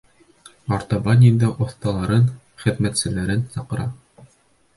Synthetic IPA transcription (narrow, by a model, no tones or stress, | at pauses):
ɑɾt̪ɑbɑnʲind̪ɑʔŏθt̪ɑlˠɑɾɤn | χɘ̆ðmæt̪sɘ̆læɾɘnsɑqɤ̆ɾɑ